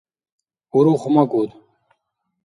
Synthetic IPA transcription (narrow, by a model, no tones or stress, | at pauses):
uɾuχumakuːt̪